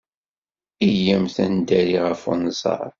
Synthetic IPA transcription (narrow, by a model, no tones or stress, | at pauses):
ijæmθænd̪æɾiʁəfṵnzˤɑ̰ɾˤ